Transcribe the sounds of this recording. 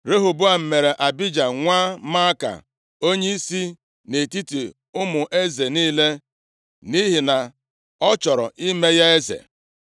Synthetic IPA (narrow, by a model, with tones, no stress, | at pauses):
ɾe˦ɦu˨bʊ˦a˨m̩˨me˨ɾe˨ʔa˨bi˦d͡ʒa˨ŋʷaː˦ma˦ka̰˨ | o˦ɲe˦i˦si˦ | ne˨ti˦ti˨ | ʊ˦mʊ˨ʔe˦ze˨niː˦le˦ | ni˦ɦi˨na˨ | ɔ˦t͡ʃɔ˨ɾɔ̰˨ʔi˦me˦ja˦e˦zḛ˨